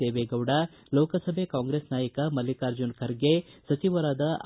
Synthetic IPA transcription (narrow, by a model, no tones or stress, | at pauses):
eːʋeɡɐʋɽɐ | loːkɐsɐbʱekaːŋɡɾesnaːjɐkɐmɐlːikaːɾd͡ʒunkʰɐɾɡesɐt͡ʃiʋɐɾaːd̪ɐ